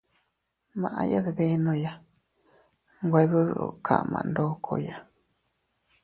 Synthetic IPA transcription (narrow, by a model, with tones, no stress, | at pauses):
mã˨ʔã̰˧ja˦ðe˧βe˦nõ˧ja˦ | ŋɡʷe˧ðu˦ð̰ʔkʰa̰˨mã̰˨˧ndo˦kʰo˧ja˦